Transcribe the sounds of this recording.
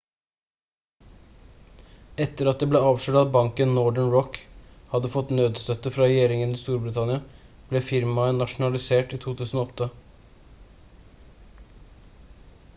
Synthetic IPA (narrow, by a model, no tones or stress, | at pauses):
ɛt̪əɾɑt̪̚d̪eːbleːɑːʋʂøːʈɑt̪̚bɑŋkənnɔɖəɳɹɔkhɑd̪əfɔt̪nøːd̪st̪œt̪əfɾɑɾɛjeːɾɪŋəniːst̪uːɾbɾɪt̪ʰɑnɪɑ | b̥lɛfɪɾmɑənɑʂʊnɑlɪseːʈiːt̪ʰuːt̪ʰʉːsn̩oːɔt̪ːə